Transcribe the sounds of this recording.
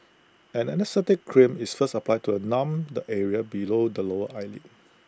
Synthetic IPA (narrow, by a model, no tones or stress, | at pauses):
ɛ̃nɛnɛstɛtɪkːʰɹĩmisfəstəplaɪtʰuənãmdəʔɛɹiəbilodəloəʔaɪlḭ